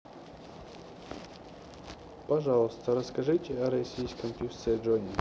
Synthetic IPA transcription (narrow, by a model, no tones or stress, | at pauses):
pɐʐɑlˠəst̪əɾəskɐʐɨtʲɪɐɾɐsʲijskəmpʲust̪seʐonʲɪ